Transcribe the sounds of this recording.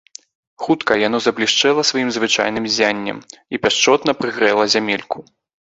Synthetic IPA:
xut̪kɐjan̪ɔzɐblʲiʂt͡ʂɛlˠɐsvajimzvɨt͡ʂa̰jn̪ɨmzʲanʲːɐ̰mipʲaʂt͡ʂɔt̪n̪ɐpɾɨɣɾɛlˠɐzʲamʲelʲku

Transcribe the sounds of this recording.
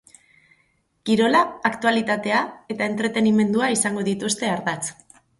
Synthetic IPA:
kiɾo̞laːkt̪ualit̪at̪e̞ae̞t̪ae̞nt̪ɾe̞t̪e̞nime̞nd̪uaisaŋɡo̞ðit̪ust̪e̞aɾðat͡s

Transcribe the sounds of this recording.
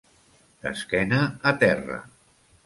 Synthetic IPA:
d̪̥ə̰skɛnəːt̪ɛrə̰

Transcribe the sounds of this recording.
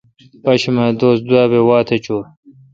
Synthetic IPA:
pɐɕimɐd̪oːsd̪waːbewɑːt̪ʰɐt͡ɕoːɾ

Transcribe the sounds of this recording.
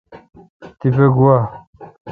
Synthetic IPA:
t̪ipeɡuwa

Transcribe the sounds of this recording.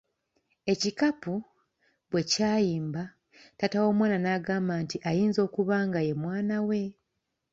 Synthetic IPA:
e̞cikapu | βwe̞caːjiːmba | tatawo̞ːmwaːnanaːɡaːmbaːntiʔajiːnzo̞ːkuβaːŋɡaje̞mwaːnawe̞

